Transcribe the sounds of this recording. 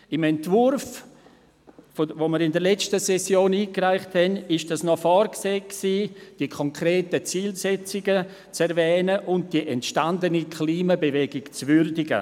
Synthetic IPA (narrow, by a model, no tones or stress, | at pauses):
ɪmɛntvʊɾf | fovoməɾɪndəɾlɛt͡stəsɛsjoːniːkraɪχthɛnɪʃd̥asnɔfɔrkseːksiːd̥iəkʰɔŋkɾeːtət͡siːlsɛt͡sɪɡə | t͡sɛɾvɛːnəʔʊnt̚d̥iʔɛntʃtandənikʰliːmabevɛɡɪkt͡svʏɾdɪɡə̰